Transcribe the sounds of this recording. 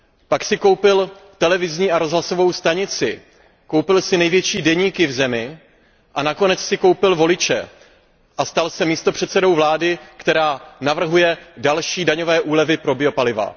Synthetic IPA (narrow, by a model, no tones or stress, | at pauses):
paksɪko̞wpɪlft̪ɛlɛvɪzɲiːʔaɾo̞zɦlaso̞vo̞wst̪aɲɪt͡sɪ | ko̞wpɪlsɪnɛjvjɛt͡ʃiːdɛɲiːkɪvzɛmɪ | ʔanako̞nɛt͡ssɪko̞wpɪlvo̞lɪt͡ʃɛ̰ | ʔast̪alsɛmiːst̪o̞pr̝̥ɛt̪sɛdo̞wvlaːdɪkt̪ɛɾaːnavr̩ɦujɛdalʃiːdaɲo̞vɛːʔuːlɛvɪpɾo̞bɪo̞palɪva̰